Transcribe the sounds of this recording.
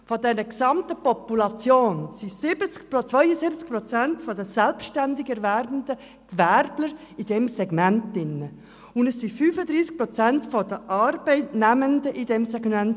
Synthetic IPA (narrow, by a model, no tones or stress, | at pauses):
fɔdɛnəksɑmtəpɔpulɑt͡sjoːnsisɪb̥ət͡skpt͡sʋ̥vœʏəsɪbət͡skpɾɔt͡sæntfɔdəsɛlpʃtændɪɡɛɾvæɾbənd̥ə | kvæɾdləɾ | id̥ɛmsɛɡmæntɪnːə | ʊndəsːifyːfəd̪ɾiːsk̚pɾɔt͡sæntfɔd̥əʔɑɾb̥ɛɪtnæməndəʔid̥ɛmsɛɡmænt